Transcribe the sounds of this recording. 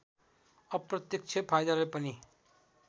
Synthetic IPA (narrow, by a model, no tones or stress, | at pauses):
ʌpɾʌt̪jʌk̚t͡ʃʰepʰajd̪aɾʌepəni